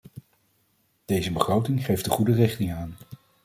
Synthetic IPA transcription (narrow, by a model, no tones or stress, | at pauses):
d̥ejzəbəχrowtɪŋχejfdəχudərɪχtɪŋaːn